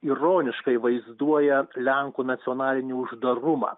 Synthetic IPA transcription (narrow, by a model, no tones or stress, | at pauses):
iɾoːnʲɪʃkɐɪʋɐɪzd̪uɔjɛlʲɛŋkuːnɐt̪sʲɪoːnɑːlʲɪnʲiːʊʒd̪ɐɾʊmɑ̰ː